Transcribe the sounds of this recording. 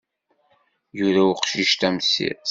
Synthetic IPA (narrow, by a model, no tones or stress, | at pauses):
jʊɾæʊqʃiʃt̪æmsḭ